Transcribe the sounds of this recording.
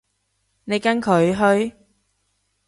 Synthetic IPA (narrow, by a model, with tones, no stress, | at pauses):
ne˨˧jkɐ˥nkʰɵ˨˧ɥɦɵ˧ɥ